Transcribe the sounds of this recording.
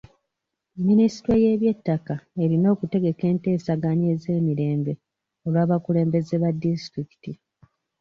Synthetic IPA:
minisi̥tɾoje̞ːβje̞tːakae̞ɾino̞ːkute̞ɡe̞ke̞ːnte̞ːsaɡanie̞ze̞ːmiɾe̞ːmbe̞ | o̞lwaːβakule̞ːmbe̞ze̞βadːistɾiki̥ti

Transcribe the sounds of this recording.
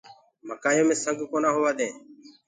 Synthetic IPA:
məkaːjoːmẽːsəŋɡkoːnaːɦʊːʋaːd̪ẽː

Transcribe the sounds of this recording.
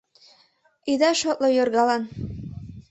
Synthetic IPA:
id̪æʃot̪lɤjorɣɑlɑn

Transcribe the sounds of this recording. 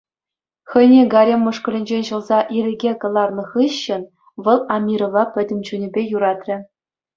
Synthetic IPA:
xɤ̆jnʲeɡɑɾʲemʲːɤ̆ʂkɤ̆lʲɘ̆nʲd͡ʑenʲɕɤ̆lˠzɑʔiɾʲɘ̆ɡʲekɤ̆lˠɑrnɤ̆χɯɕːɘ̆n | ʋɤ̆lˠɑmʲiɾɤ̆ʋɑpʲɘ̆dʲɘ̆mʲt͡ɕunʲɘ̆bʲejuɾɑt̪rʲɘ̆

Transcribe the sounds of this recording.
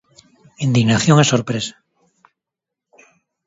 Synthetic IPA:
ind̪iɣnaθjo̞ŋesːoɾpɾesḁ

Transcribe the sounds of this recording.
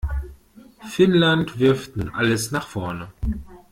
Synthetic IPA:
fɪnlantv̥ɪɐftnuːnʔaləsnaːχfɔɐnə

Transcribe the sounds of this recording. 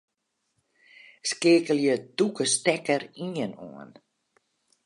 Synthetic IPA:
skɪːkəljəd̥ukəstɛkəɾiɲənɔ̰ə̰n

